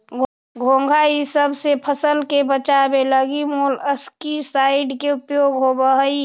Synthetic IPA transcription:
ɡʱõːŋɡʱaisəbsepʰəsəlkebət͡ʃabeləɡimoləskisaːɪɖkeʊpjoɡɦobəɦəi

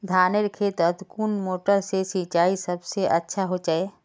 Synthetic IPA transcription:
d̪ʱaːneɾkʰeːt̪əd̪kuːnmoːʈəɾsesit͡ʃaːisɐbseʔɐtːʃʰaɦot͡ʃaːeː

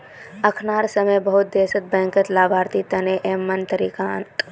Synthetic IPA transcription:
əkʰnaːɾsəməjbəɦʊt̪̚d̪eːsət̪̚bɛ̃ːŋkət̪laːbʱaːɾt̪it̪ɐneʔeːmːənt̪əɾiːkant̪

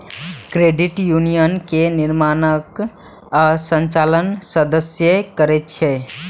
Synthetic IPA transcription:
kɾeɖiʈjunijənkeniɾmanək | asənt͡ʃalənsəd̪əsjəkəɾɛt̪t͡ʃʰɛ

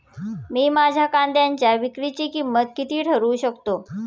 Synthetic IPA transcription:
miːmad͡ʑʱakand̪ʱjaɲt͡ɕjaʋikɽit͡ɕikimət̪̚kit̪ʰiːʈʰəɾuːɕəkt̪o

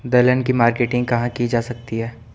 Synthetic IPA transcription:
d̪ɐlənkimaːɾkeːʈɪ̃ŋɡ̚kɐɦãkid͡ʒaːsɐk̚t̪iɦɛː

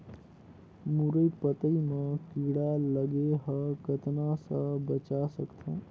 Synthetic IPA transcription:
muɾəipət̪əimẽkiɽaləɡeɦəkət̪nasəbət͡ʃasəkt̪ʰẽː

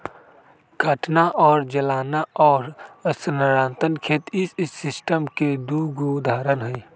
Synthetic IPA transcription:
ɡʱəʈʰnaʔɔːɾd͡ʒəlaːnaɔːɾsənəɾãːnt̪ənkʰeːt̪ɪsɪsʈəmked̪uːɡud̪ʱaːɾənɦəi

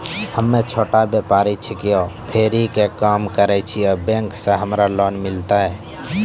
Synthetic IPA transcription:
həmːet͡ʃʰoːʈabepaɾɛt͡ʃʰikijopʰeɾikekamkəɾɛt͡ʃʰijɔbẽŋksẽɦəmɾalɔnmilt̪aɦɛ

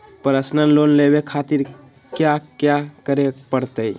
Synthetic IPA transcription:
pɾəsnənlonlebekʰat̪iɾ | kjakjakəɾepəɾt̪əj

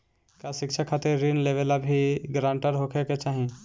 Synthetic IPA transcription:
kasɪkt͡ʃʰakʰat̪ɪɾːinleʋelabʱiɡɾãːɳʈəɾɦokʰeket͡ʃaːɦĩ

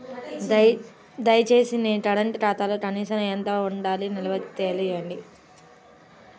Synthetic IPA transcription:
d̪ɐjt͡ʃeːsineʈɐɽɐɳʈʈaːt̪aːloːkɐniːʃɐnɐjɐnt̪aːuɳɖaːlinilɐʋɐit̪eːlijɐɳɖi

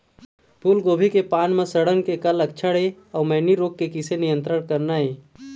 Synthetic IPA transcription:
pʰuːlɡoːbʱikepaːnmẽsɐɽənkekɐlɐkt͡ʃʰəɽe | ɔːɾmɛːniɾoːk̚ːekɪsenɪjə̃nt̪ɾəɽkɐɾnaɦeː

